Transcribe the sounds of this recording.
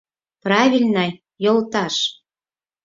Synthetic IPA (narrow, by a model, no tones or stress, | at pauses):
prɑvʲilʲnɑj | jolt̪ɑʃ